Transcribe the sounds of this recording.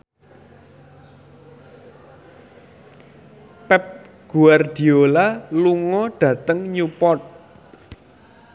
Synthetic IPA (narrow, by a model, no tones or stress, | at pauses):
pɛp̚ | ɡ̥uard̪̥i̤olaluŋɔɖ̥ä̤t̪əŋɲupɔt̪̚